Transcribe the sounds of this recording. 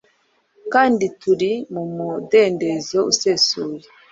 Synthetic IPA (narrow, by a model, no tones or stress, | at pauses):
kaːndituɾimumudeːnde̞zoṵse̞suːje